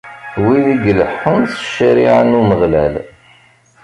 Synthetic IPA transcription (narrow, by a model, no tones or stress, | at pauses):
wiðiɡləħːənθə̥ʃːəɾiʕənuməʁlæ̰l